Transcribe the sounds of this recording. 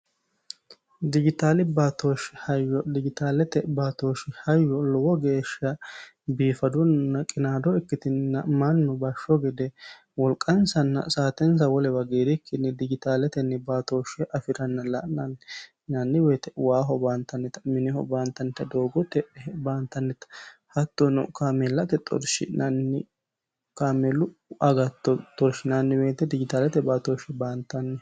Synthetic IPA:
d̪ɪɡɪt̪aːlɪbaːt̪oːʃːɪhɐjːɔd̪ɪɡɪt̪aːlɛt̪ɛbaːt̪oːʃɪhɐjːɔlɔwɔɡe̞ːʃɐ | biːfɐd̪ʊnnːɐkʼɪnaːd̪ɔɛkːɪt̪ɪnnːɐmɐnːɔbɐʃːɔɡɪd̪ɛ | wɔlkʼːɐnsɐnːɐ̰saːt̪ɛns̬ɐwɔlɛwɐɡeːɾɪkːɪnːɛd̪ɪd͡ʒɪt̪aːlɛt̪ɛnːɛbaːt̪oːʃɛʔɐfɪɾɐnːɐlɐʔnɐn | nɐnːɪbeːt̪ɛwaːɦɔbaːnt̪ːɐnːɛt̪ɐ̥mɪnɛhɔ̰baːnt̪ɐnːɛt̪ːɐd̪oːɡɔt̪ːɛbaːnt̪ːɐnːɛt̪ːɐ̥hɐt̪ːɔnɔ̰kaːmɛlːɐt̪ɛt̪ʼɔ̰ɾʃɪ̰nɐnːɪ | kaːmɛlʊʔɐɡɐt̪ːɔt̪ʼɔɾʃɪnɐnːɪbeːt̪ːɛd̪ɪd͡ʒɪt̪aːlɛt̪ɛbaːt̪oʃɛbaːnt̪ːɐnːɛ

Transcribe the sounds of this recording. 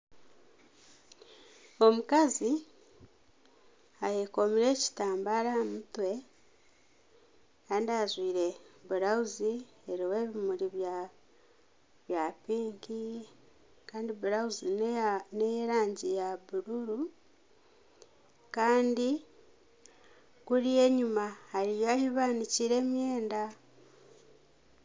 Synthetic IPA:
o̞mukazi | ajeko̞miɾe̞ːci̥taːmbaɾamutwe̞ | kaːndiazwiːɾe̞βuɾauzi | eɾiwe̞ːβimuɾiβ | βjaːpiːŋki | kaːndiβuɾauzinejeɾaːɲɟijaβuɾuɾu | kaːndi | kuɾije̞ːɲumahaɾijoahiβaːniciɾe̞ːmje̞ːnda

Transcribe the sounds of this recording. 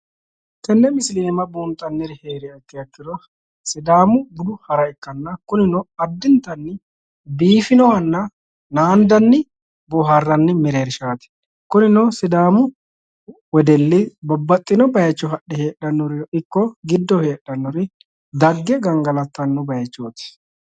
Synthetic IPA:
t̪ɛnːɛmɪsliɛmɐbuːnt̪ʼːɐnːɛɾɪheːɾɪɐkːɪjɐkːɪd̪ɔ | sɪd̪aːmʊbʊd̪ʊhɐɾɐjkːɐnːɐkʊnɪnɔɐd̪ːɪnt̪ːɐnːɪ | biːfɪnɔwɐnːɐ | naːnd̪ɐnːɪ | bɔɦɐrːɐnːɪmɛɾeːɾʃaːt̪ɪ̥ | kʊnɪnɔsɪd̪aːmʊ | wɔd̪ɛlːɪbɔbːɐt̪ʼːɪnɔbɐjɐt͡ʃːɔɦɐɗːɛheːɗɐnːɔɾɪjɔʔɪkːɔɡɪd̪ːɔhe̞ːɗːɐnːɔɾɪ | d̪ɐɡːɛɡɐŋɡɐlɐt̪ːɐnːʊbɐjɐt͡ʃːoːt̪ɪ̥

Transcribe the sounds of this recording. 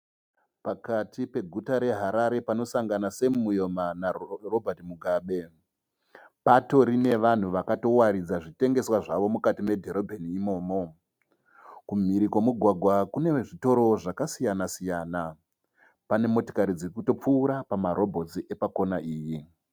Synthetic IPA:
pakatʰipe̞ɡʱutaɾe̞ɦaɾaɾe̞pano̞saŋɡanasemujo̞manaro̞bʱatimuɡʱaːɓe̞ | pato̞ɾine̞ʋan̤uʋakato̞waɾid͡zaʐite̞ŋɡe̞swaʐaʋo̞mukatime̞dʱeɾo̞bʱeniːmo̞ːmo̞ | kum̤iɾikwomuɡʱwaɡʱwakune̞ʐito̞ɾo̞ʐakasijanasijaːna | pane̞moti̥kaɾid͡zikuto̞p͡fuːɾapamaɾo̞bʱo̞t͡siʔe̞pako̞naʔiːji

